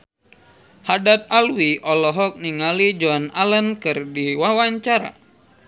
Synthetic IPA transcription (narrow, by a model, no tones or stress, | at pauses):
hadat̪̚alwiʔɔlɔɦɔk̚niŋalid͡ʒɔnalənkɨrdiwawaɲt͡ʃaɾa̰